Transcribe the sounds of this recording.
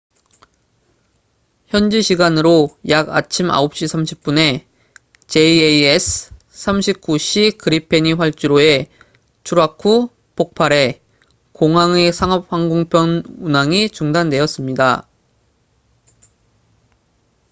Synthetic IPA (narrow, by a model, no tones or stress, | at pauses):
çjʌnd͡ʑiɕʰiɡanɯɾojaɡa̰t͡ɕʰima̰op̚ɕ͈isʰamɕʰi̥p̚p͈une̞ | t͡ɕeieiesʰ | s͈ʰamɕʰip̚k͈uɕʰikɯɾipʰe̞ɲiɸwaɭt͡ɕ͈uɾoe̞ | t͡ɕʰuɾakʰu | pʰok̚pʰaɾe̞ | koŋɦaŋe̞sʰaŋʌp̚ɸaŋɡoŋpʰjʌnunaŋit͡ɕuŋdande̞ʌs͈ɯmɲida̰